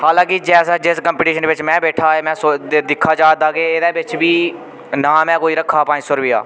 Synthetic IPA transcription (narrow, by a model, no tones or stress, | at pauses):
haːlãːkɪd͡ʒɛːsɛːd͡ʒɪskəmpɪːʈiːʃənʋɪt͡ʃmɛ̃ːbɛːʈʰaːeːmɛ̃ːsod̪ɪkʰːaːd͡ʒaːd̪aːɡeːɪːd̪ɛːbɪt͡ʃʋiː | naːmɛ̃ːkoːiːɾəkʰːaːpãːd͡ʒsoːɾʋɪja̰ː